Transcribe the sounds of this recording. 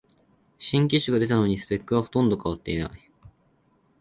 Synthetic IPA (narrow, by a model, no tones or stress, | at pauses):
ɕĩŋk̬ʲiɕɨɡad̪e̞t̪ano̞ɲ̟isɨ̥pe̞kːɯ̟βaho̞t̪õ̞nd̪o̞kaβ̞at̪ːe̞it̪a̰